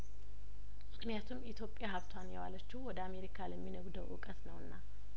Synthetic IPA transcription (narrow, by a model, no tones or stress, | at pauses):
mɨknijat̪ʰumit̪ʰjo̞pʼjaɦəβt̪ʰwanjɛwalət͡ʃːiwɔd̪əame̞ɾikʰaləmːinəɡud̪əʔɨ̰kʼət̪nəwɨnːa